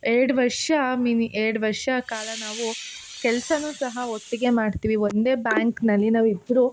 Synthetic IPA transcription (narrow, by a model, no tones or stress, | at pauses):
eːɽʋɐɾʂɐmiːniʔeɽʋɐɾʂɐkaːlɐnaːʋu | kɛlɐsɐnuːsɐɦɐot̪ːiɡe̞maːɖt̪iːʋiʋond̪e̞ːbaːŋknɐlːinaːʋid̪ɾu